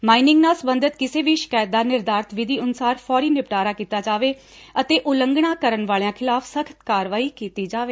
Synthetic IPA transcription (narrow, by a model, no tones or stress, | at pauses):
maːinɪ̃ŋɡnaːsəbənd̪ʱət̪kɪseːʋiːʃɪ̥kaːjət̪̚d̪aːnɪɾd̪aːɾt̪ʰʋɪd̪iːʊnʊsaːɾpʰɔːɾiːnɪpʈaːɾaːkiːt̪aːd͡ʒaːʋeː | ət̪eːʔʊləŋɡɳaːkəɾənʋaːɭjãːkʰɪlaːpʰsəkʰə̥t̪kaːɾʋaːiːkiːt̪iːd͡ʒaːʋeː